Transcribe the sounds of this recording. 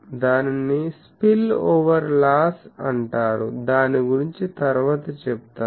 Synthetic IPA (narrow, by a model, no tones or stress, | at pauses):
d̪aːninːispiloːʋɐɾlaːsɐɳʈaːɽṵd̪aːniɡuɾiɲt͡ʃit̪ɐɾʋaːt̪ɐt͡ʃɛput̪aː